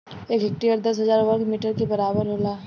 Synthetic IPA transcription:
eːkɦɪk̚ʈiəɾd̪ɐsɦɐzaːɾʋɐɾɡmiːʈəɾkebɐɾaːbəɾɦoːlaː

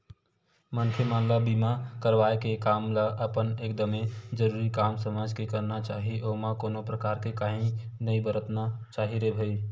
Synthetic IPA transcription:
mənkʰemaːnlabiːmakəɾʋaːekekaːmlaʔəpəneːk̚d̪əmẽd͡ʒəɾuːɾikaːmsəmaːd͡ʒkekəɾnat͡ʃaːɦiʔoːmãkoːnopɾəkaːɾkekaːɦĩ | nəĩbəɾət̪nat͡ʃaːɦiɾebʱəi

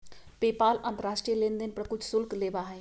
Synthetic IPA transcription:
pepaːlə̃nt̪əɾaːsʈɾijəlẽnd̪ənpɾəkʊt͡ʃʰsʊlklebaɦɛ̃

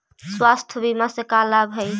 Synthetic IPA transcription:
swast̪ʰbimasekalabɦəj

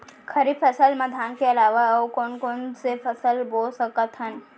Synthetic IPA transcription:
kʰəɾipʰəsəlməd̪ʱaːnkeɐlaːʋakoːnkonsepʰəsəlboːlsəkət̪ɦən

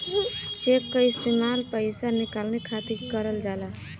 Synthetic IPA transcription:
t͡ʃeːkkaɪst̪eːmaːlpəɪsanɪkaːlnekʰaːt̪ikəɾəld͡ʒaːla

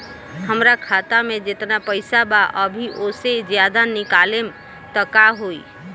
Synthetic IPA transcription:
həmɾakʰat̪amẽd͡ʒet̪napəɪsabaʔəbʱiʔosed͡ʒjad̪anikalem | t̪əkaɦoi

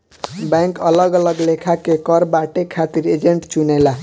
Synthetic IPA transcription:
baŋkʌlʌɡʌlʌɡlekʰakekʌɾbaʈekʰat̪iɾed͡zeɳʈt͡ʃunela

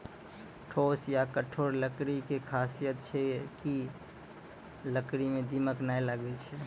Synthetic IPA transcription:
ʈʰosjakəʈʰoɾləkɾikekʰasijət̪̚t͡ʃʰɛki | ləkɾimed̪iməknajlaɡɛt͡ʃʰɛ

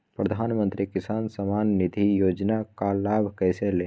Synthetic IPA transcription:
pɾəd̪ʱaːnmə̃nt̪ɾikɪsaːnsəmaːnːɪd̪ʱijoːd͡ʒnakalaːbʱkɛːseleː

